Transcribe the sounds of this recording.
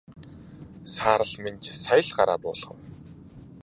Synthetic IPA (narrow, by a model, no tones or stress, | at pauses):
saːɾə̆ɮment͡ɕsajə̆ɮɢaɾa̰ːpʊ̰ːɮ̥̆χə̆w